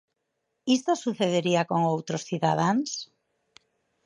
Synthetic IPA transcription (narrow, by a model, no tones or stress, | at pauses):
ist̪osuθeðeɾiakoŋowt̪ɾosθiðað̞aŋs